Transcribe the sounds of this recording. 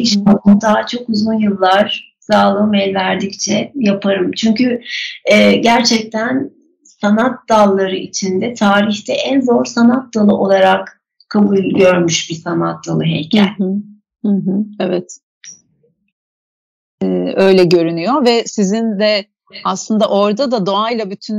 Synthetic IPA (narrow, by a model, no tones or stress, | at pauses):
iʃmaund̪aɦat͡ʃʰo̞kuzunjɯlˠːaɾ̥ | saːlˠɯmɛlʲvæɾd̪ict͡ʃʰɛjapʰaɾɯmt͡ʃʰyɲcyɛːɟæɾt͡ʃʰɛc̚t̪ʰæn | sanat̪̚d̪alˠːaɾɯʔit͡ʃʰind̪ɛt̪ʰaːɾiçd̪ɛʔænzo̞ɾsanat̪̚d̪alˠɯʔo̞lˠaɾak | kʰːabulɟøɾmyʃbisanat̪̚d̪alˠɯɦɛ̰jcʰɛɦɯ | hɯ̃ɦɯevɛt̪ | ɛːʔø̞jlʲɛɟø̞ɾynyjovɛsizind̪ɛ | aslˠɯnd̪aʔo̞ɾd̪ad̪ad̪o̞ajlˠabyt̪ʰyn